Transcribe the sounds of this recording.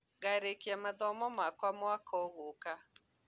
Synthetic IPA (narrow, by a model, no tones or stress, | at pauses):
ɣaɾekiamaðɔmɔmakwamɔakʰɔɣoka